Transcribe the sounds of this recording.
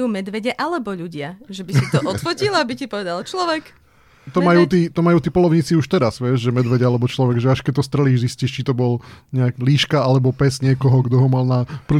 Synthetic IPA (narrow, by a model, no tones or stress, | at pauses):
uːmɛd̪ʋɛɟɛʔalɛbɔʎuɟɪaʒɛbisit̪ɔtʔɔt̪fɔcilabicipɔʋɛd̪alt͡ʃlɔʋɛk | t̪ɔmajuːt̪iːt̪ɔmajuːt̪iːpɔlɔʊɲiːt͡siuʃt̪ɛɾaz̥ʋɛʒʒɛmɛd̪ʋɛɟɛalɛbɔt͡ʃlɔʋɛɡʒɛaʃkɛc̚t̪ɔst̪ɾɛliːʒzisciːʃt͡ʃit̪ɔbɔlɲɛakliːʃkaalɛbɔpɛzɲɪɛkɔɦɔɡd̪ɔɦɔmalnapr̩